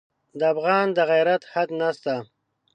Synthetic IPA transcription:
d̪əafɣɑːnd̪əɣajɾat̪had̪nast̪a

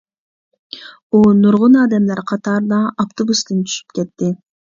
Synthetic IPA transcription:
unuɾʁunɑːd̪ɛmlæɾqʰɑt̪ɑːɾd̪ɑʔɑpt̪obust̪ɯnt̪ʰy̥ʃy̥pkʲɛt̪ːɪ

